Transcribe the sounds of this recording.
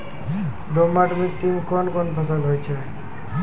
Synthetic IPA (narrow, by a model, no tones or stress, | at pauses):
domaʈmit̪iŋkɔnkɔnpʰəs̬əlɦojt͡ʃʰe